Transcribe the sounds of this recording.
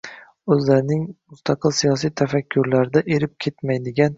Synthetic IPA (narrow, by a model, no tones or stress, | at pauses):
ɵzlaɾɪnɪŋmʊst̪ʰɑqʰɨlˠsijɒs̬ijt̪ʰafakʲʰːʊɾlaɾɪd̪aʔeɾɪp̚kʲʰe̞t̪majd̪ɪɡʲan